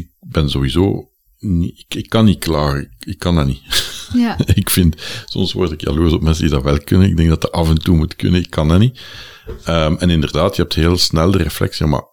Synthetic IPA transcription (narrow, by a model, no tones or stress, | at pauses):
ɪk̚bɛnzoːwizo̰ː | niɪkɪkːɑnːiklaːrɪɪkːɑnani | ɪkfɪntsɔ̰msʋɔ̰rtɪkjɑ̰løːzɔpmɛnsəndidɑʋɛlˠkʏnənɪɡ̚dɛŋdɑtəʔɑvɛntuːmutkʏ̰nəɪkʰːɑnɛni | əmɛnɪndərdaːtjəɛp̚theːlˠsnɛlˠdəreflɛ̰ksiəma̰